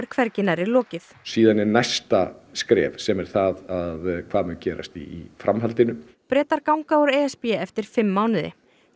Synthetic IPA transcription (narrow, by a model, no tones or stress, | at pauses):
ɾ̥kʰvɛɾcɪnaɾɪlɔːcɪθ | siːðanːɪnajst̪askɾɛ̰ːvsɛmɛɾ̥θaðaðkʰv̥aːðmɛncɛːɾa̰st̪ḭifɾamɦalt̪ɪnʏ | pɾɛːt̪aɾkawŋkaɔɾeɛspɛːɛft̪ɪɾ̥fɪmːaːwnɪðɪ̰